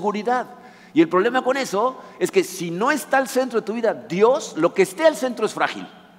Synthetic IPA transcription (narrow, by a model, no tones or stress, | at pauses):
ɣuɾiðað | ie̞lpɾo̞β̞le̞mako̞ne̞so̞e̞ske̞sino̞e̞st̪aːlse̞nt̪ɾo̞ðet̪uβiðad̪jo̞slo̞keːst̪e̞alse̞nt̪ɾo̞esfɾa̰xḭl